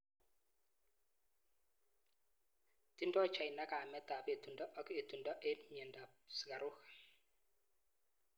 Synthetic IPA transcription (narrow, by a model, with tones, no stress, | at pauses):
ti˦ndɔ˦t͡ʃa˨jna˦ka˨mɛ˦t̪a˨pt̪u˨nda˦ʔɔ˨˦ke˨t̪u˨nda˦ʔe˦nɲɛ˨nda˨sɡa˨ɾu˦k